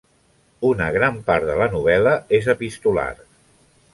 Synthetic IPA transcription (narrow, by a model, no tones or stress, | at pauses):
unəɣ̞ɾampaɾðələnuβ̞ɛləezəpist̪ula̰r